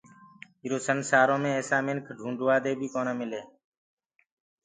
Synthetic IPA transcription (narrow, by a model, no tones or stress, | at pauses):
ɪɾoːsənsaːɾõːmẽːɛːsaːmɪnkʰɖʱũːɳɖʋaːd̪eːbʱiːkoːnẽːmɪleː